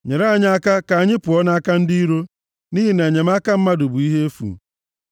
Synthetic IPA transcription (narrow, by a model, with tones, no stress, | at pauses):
ɲe˨ɾa˦a˦˨ɲ˦a˦ka˦ka˨a˨ɲɪ˦pʊ˨ɔ˦na˦a˦ka˦n̩˦di˦i˦ɾo˦ | niː˦ɦi˦ne˨ɲe˨m˦a˦ka˦m̩˦ma˦dʊ˨bu˨i˦ɦe˦e˦fṵ˨